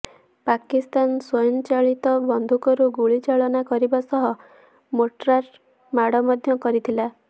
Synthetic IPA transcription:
pakist̪ansojɔnt͡ʃaɭit̪ɔbɔnd̪ʱukɔɾuɡuɭit͡ʃaɭɔnakɔɾibasɔɦɔ | moʈɾaɾ | maɽɔmɔd̪ʱjɔkɔɾit̪ʰila

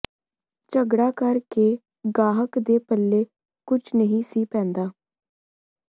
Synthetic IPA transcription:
t͡ʃəɡɽaːkəɾkeː | ɡaːɦəkd̪eːpəlːeː | kʊt͡ʃʰnəɦĩːsiːpɛ̃ːnd̪aː

